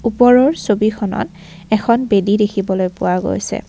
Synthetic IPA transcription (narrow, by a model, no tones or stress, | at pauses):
upɔɹɔɹsobixʰɔnɔ̰t | ɛxʰɔnbedidekʰibɔlojpʊwaɡo̰jsɛ̰